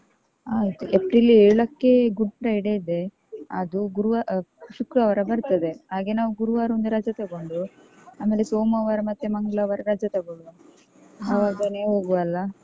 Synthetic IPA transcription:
aːit̪uʔepɾileːɭɐkːe̞ɡuɖpɾɐjiɖeid̪e̞ | ɐ̰d̪uɡuɾuʋaʃukɾɐɐʋɐɾɐbɐɾt̪ɐd̪e̞aːɡe̞naːʋuɡuɾuʋaːɾond̪uɾaːd͡ʒɐt̪ɐɡo̞ɳɖuaːmeːlesoːmɐʋɐɾɐmɐt̪ːemɐŋɡɐɭɐʋɐɾɐɾaːd͡ʒɐt̪ɐɡoɳɖu | ɐʋaːɡd̪ɐneɦoːɡuʋɐlːɐ

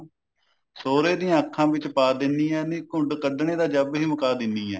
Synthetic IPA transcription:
soːɾeːd̪ijãːəkʰːãːʋɪt͡ʃpaːd̪ɪniːɛ̃ːniːkʊɳɖkəɖɳeːd̪aːd͡ʒəbɦiːməkaːd̪ɪniːɛ̰ː

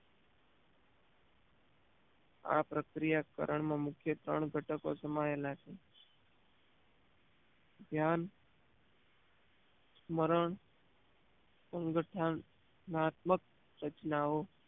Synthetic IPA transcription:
a̰pɾəkɾijakə̰ɾʔəɳmãmʊkʰjət̪ɾəɳ̃ɡʱəʈəko̰səmajelat͡ʃʰe | d̪ʱjan | sməɾəɳ | səŋɡəʈʰənː | at̪mək̚ | ɾət͡ʃnaʋo

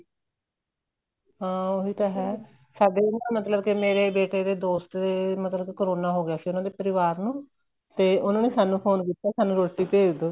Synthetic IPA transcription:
ɦãːoːɦiːt̪aːɦɛː | saːɖeːʊnãːmət̪ləbkemeːɾeːbeːʈeːd̪eːd̪oːst̪d̪eːmət̪ləb̚kekoɾoːnaːɦoːɡɪaːfʰɪɾʊnãːd̪eːpəɾɪʋaːɾnũː | t̪eːʔʊnãːnẽːsaːnũːpʰoːnkit̪ːaːsaːnũːɾoːʈːiːpeːd͡ʒd̪oː

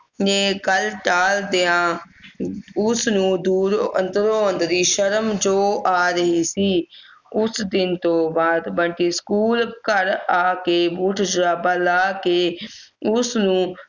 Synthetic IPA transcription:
d͡ʒeːkəlʈaːld̪eːãː | ʊsnũːd̪uːɾənd̪ɾoːənd̪ɾiːʃəɾəmd͡ʒoːʔaːɾəɦiːsiː | ʊsd̪ɪnt̪õːbaːd̪bəɳʈeːskuːlkəɾaːkeːbuːʈʰd͡ʒɾaːbaːlaːkeː | ʊsnũː

